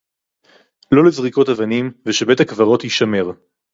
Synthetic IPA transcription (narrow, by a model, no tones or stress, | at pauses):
lo̞lezʁiko̞tavanimveʃebe̞thakvaʁo̞tjiʃame̞ʁ